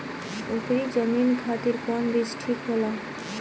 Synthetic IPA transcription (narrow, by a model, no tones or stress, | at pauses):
ukɾid͡ʒʌminkʰat̪iɾkɔnɾisʈʰɾikɦola